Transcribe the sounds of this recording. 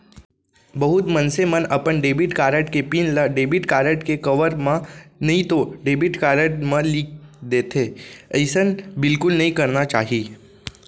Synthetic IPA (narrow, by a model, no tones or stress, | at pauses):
bɐɦʊt̪mɐnsemɐnɐpəɳɖeːbɪʈkaːɾəʈkepiːnləɖeːbɪʈkaːɾəʈkekɐʋəɾmãnɐɦĩt̪oɖeːbɪʈkaːɾəʈmẽliːk̚d̪eːt̪ʰeːəɪsənbɪlkʊlnɐɦĩkɐɾnat͡ʃa̰ːɦiː